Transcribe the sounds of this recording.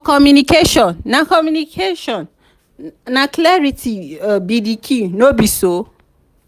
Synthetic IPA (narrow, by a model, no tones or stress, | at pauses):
kɔmjunikeʃɔ̃nːãkɔmjunikʰeʃɔ̃n | nãklɛɾitibidikʰinobiso